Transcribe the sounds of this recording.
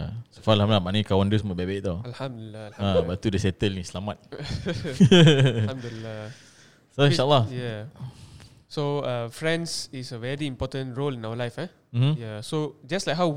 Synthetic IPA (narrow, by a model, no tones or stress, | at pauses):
jasu̥faalhamdlamanəikawãndusmɔt̚bɛbɛʔt̪aalhãmdlːaabat̪udəsɛt̪əlnĩsəlamat̪̚ | mduila | soĩʃalːahja | soafɹɛ̃nsisəvɛɹiĩmpɔtə̃nɹolĩnawəlajfa | m̩mm̩jasod͡ʒaslakɦaw